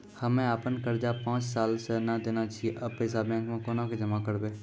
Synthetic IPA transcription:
həmẽaːpənkəɾd͡ʒapãːt͡ʃsaːlsenad̪eːnat͡ʃʰiʔəbpesabɛ̃ːŋkmẽkoːnãked͡ʒəmakəɾbeː

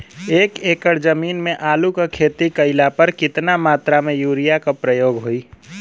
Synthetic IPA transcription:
eːkeːkəɽd͡ʒəmiːnmẽʔaːlukakʰeːt̪ikəɪlapəɾkɪt̪namaːt̪ɾamẽjuːɾijakopɾəjoːɡɦoi

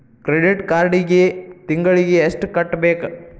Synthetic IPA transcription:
kɾeɖɪʈkaːɾɖiɡet̪ɪŋɡɐɭiɡeesʈkɐʈːbeːk

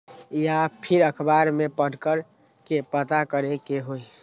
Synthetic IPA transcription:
japʰiɾəkʰbaɾmepəɽkəɾ | kepət̪akəɾekeɦoi

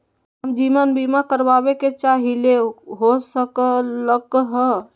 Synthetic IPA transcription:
ɦəmd͡ʒimanbimakəɾbabeket͡ʃaɦileɦosəkələkɦə

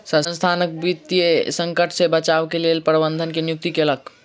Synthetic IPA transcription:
sə̃nst̪ʰanək̚bit̪ijesə̃ŋkəʈʰsebət͡ʃabkelelpɾəbənd̪ʱənkenjuk̚t̪ikelək

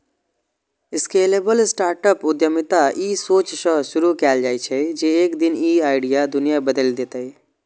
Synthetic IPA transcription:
ɪskeːleːbəlɪsʈaːɾʈəpʊd̪jəmɪt̪aiːsoːt͡ʃsə̃ʃʊɾukɛːld͡ʒaːit͡ʃʰɛd͡ʒeeːkd̪ɪniːaːɪɖijad̪ʊnijabəd̪əld̪eːt̪aɛ

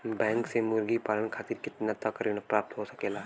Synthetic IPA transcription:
bɛ̃ːŋksemʊɾɡipaːlənkʰaːt̪iːɾkɪt̪nat̪ɐkɐɾiːɽ̃apɾaːp̚t̪ɦosɐkeːlaː

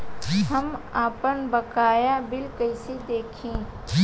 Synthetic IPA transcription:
ɦɐmaːpənbɐkaːjabɪlkɐɪsid̪eːkʰĩː

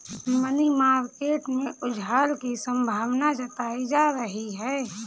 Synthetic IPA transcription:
mənimaːɾkeːʈmẽʊd͡ʒʱɦaːlkisə̃mbʱaːʋnad͡ʒɐt̪aːid͡ʒaːɾəɦiɦɛː

